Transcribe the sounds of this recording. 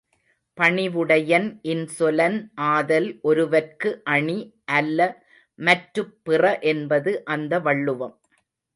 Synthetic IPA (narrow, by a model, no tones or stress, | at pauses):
pɐɳɪʋɯɽɐjɐnʔɪnsɔlɐnʔaːðɐlʔɔɾɯʋɐrkɯʔɐɳiʔɐlːɐ | mɐʈɾɯpːɪrɐʔɛnbɐðɯʔɐnd̪ɐʋɐɭːɯʋɐm